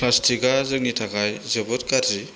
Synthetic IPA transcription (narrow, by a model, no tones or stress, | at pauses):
lastʰiɡazɯk̚nitʰakajzebɔt̚kadɾi